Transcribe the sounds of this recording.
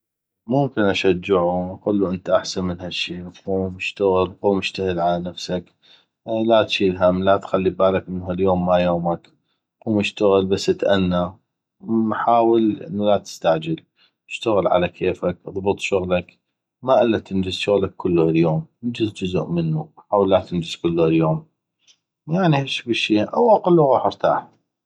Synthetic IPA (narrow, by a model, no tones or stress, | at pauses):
mʊmkɪnʔaʃad͡ʒːɪʕuʔɑqulːuʔɪnt̪aʔaħsanmɪnhaʃːiːlquːmɪʃt̪aɣɪlquːmɪʃt̪ahɪlʕalanafsak | lat̪ʃiːlɦamːlat̪xalːibaːlakmɪnːhaljoːmːajoːmak | quːmɪʃt̪aɣɪlbasːɪt̪ʔanːa | ħaːwɪlʔɪ̰nːulat̪ɪ̥st̪aʕd͡ʒɪl | ɪʃt̪aɣɪlʕa̰lakʰeːfakʔðˤbɨt̪ˤʃʊɣlak | maʔɪlːat̪ɪnd͡ʒɪzʃʊɣlakːʊlːuhaljoːmɪnd͡ʒɪzd͡ʒʊzʊ̰ʔmɪnːuħaːwəlːat̪ɪnd͡ʒɪz̥kʊlːuhaljoːm | jaʕnihaʃbɪʃːiːʔa̰waqʊlːuɣɑːħəɾt̪a̰ːħ